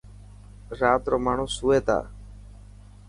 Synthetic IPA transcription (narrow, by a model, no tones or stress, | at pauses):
ɾaːt̪ɾoːmaːɳ̤ũːsuːeːt̪a̰ː